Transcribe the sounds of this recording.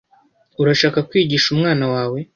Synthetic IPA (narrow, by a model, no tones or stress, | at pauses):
uɾaʃaːkakwiːɟiʃumŋaːnawaːwe̞